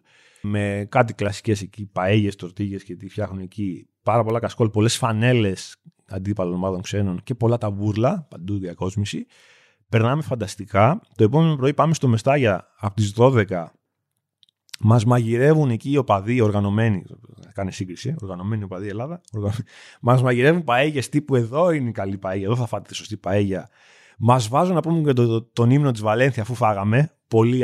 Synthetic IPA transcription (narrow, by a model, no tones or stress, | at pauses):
me̞kɐt̪̬iklɐsi̥ce̞secipɐeʝe̞st̪o̞ɾt̪iʝe̞scet̪ifçɐxnunecipɐɾɐpo̞lɐkɐsko̞lpo̞le̞sfɐne̞le̞s | ɐ̰nd̪ipɐlonmɐðo̞ŋkse̞no̞nce̞po̞lɐt̪ɐvuɾlɐpɐnd̪uðiɐko̞zmisi | pe̞ɾnɐmefɐnd̪ɐst̪ikɐt̪o̞e̞po̞me̞no̞pɾo̞ipɐmest̪o̞me̞st̪ɐʝɐː | pot̪izðo̞ðe̞kɐ | mɐzmɐʝiɾe̞vune̞ciːo̞pɐðio̞ɾɣɐno̞me̞nikɐnesiŋɡɾisio̞ɾɣɐno̞me̞nio̞pɐðie̞lɐðɐoɾɣɐno | mɐzmɐʝiɾe̞vunpaeʝest̪ipue̞ðo̞ineikɐlipɐeʝɐeðo̞θɐfɐt̪et̪i̥so̞st̪ipaeʝɐ | mɐzvɐzunɐpumucet̪ot̪o̞nimeno̞t̪̬izvɐle̞nθisɐfufɐɣɐme̞ | po̞li